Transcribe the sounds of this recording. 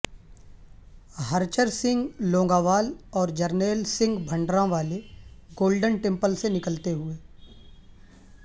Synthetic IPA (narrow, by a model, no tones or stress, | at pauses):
ɦəɾt͡ʃəɾsɪ̃ŋɡlõːŋɡaːʋaːlɔːɾd͡ʒɐɾneːlsɪ̃ŋɡbʱə̃ɳɖɾãʋaːleɡoːlɖənʈẽmpəlsenɪkəlt̪eɦʊeː